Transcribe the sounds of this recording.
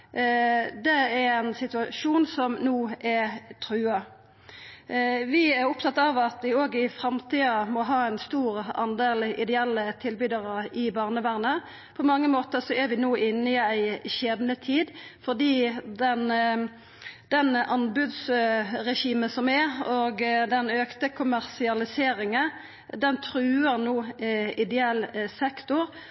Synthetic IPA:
d̪ɛɛæɪnsɪt̪ʉɑʃuːnsɔmnuːʔɛt̪ʰʁʉːɑ | ʋɪæɾʊpt̪ʰɑt̪ːɑʋɑt̪ʋɪoːɡəɪfɾɑmt̪ʰiːɑmɔɦɑːæɪnst̪uːʁɑ̰nd̪eːlɪd̪ɛɛlːət̪ʰɪlbyːd̪ɑʁəɪbɑːʁnəʋæʁnə | pʰɔmɑŋːəmoːt̪əʁsɔɛʁʋɪnoːʔɪnːəɪæɪɕeːd̪nət̪ʰiːd̪fɔʁd̪iːd̪ɛn | d̪̥ɛnʔɑnbʉd̪sʁɛʃiːmənsɔmɛɔɡd̪ɛnøːkt̪əkʰʊmæʁsɪɑlɪseːɾɪŋə | d̪ɛnt̪ʰɾʉːəʁnoːɪd̪ɛɛlsɛkt̪ʊɾ

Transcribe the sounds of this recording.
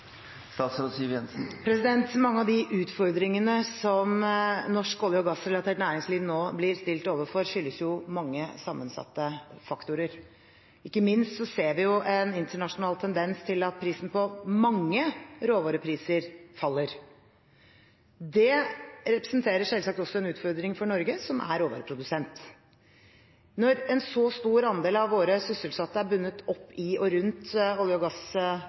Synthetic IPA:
st̪ɑːt̪sɾosiːʋjɛnsn̩pʰɾɛsɪd̪ɛnt̪mɑŋːəɑʋd̪ɪʔʉːt̪fɔɾd̪ɾɪŋənəsɔmnɔʂkoːljɔɡɑsɾɛlɑt̪ʰeːʈnæːɾɪŋsliːʋnoːblɪɾst̪ɪlt̪oːʋəfɔɾʂʏlːəsjʊmɑŋːəsɑmːənsɑ̰t̪ːəfɑkt̪ʊɾəɾ | ɪkːəmɪnst̪sɔseːɾʋɪjʊʔɛnɪnt̪əɳɑʂʊnɑːlt̪ʰɛnd̪ɛnst̪ʰɪlɑt̪̚pʰɾiːsn̩pɔmɑŋːəɾoːʋɑːɾəpʰɾiːsəɾfɑlːəɾ | d̪ɛɾɛpɾɛ̥snt̪ʰeːɾəʂɛlsɑk̚t̪ɔsːɔɛnʉːt̪fɔɾd̪ɾɪŋfɔɳɔɾɡəsɔmʔæ̰ɾoːʋɑ̰ɾəpʰɾʊd̪ʉsɛnt̪ | nɔɾɛnsɔst̪uːɾɑnd̪eːlɑʋʋoːɾəsʏsəlsɑt̪ːəæɾbʉnːət̪ɔpːɪɔɾʉnt̪ɔlɪɔɡɑs

